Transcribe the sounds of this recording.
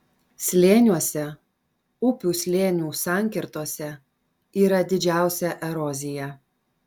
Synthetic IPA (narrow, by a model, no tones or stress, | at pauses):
sʲlʲeːnʲuɔsʲɛ | ʊpʲuːsʲlʲeːnʲuːsɑˑŋʲkʲɪɾt̪oɔsʲɛ | iːɾɐd̪ʲɪd͡ʒʲæˑʊsʲɛʔɛɾɔzʲɪjɛ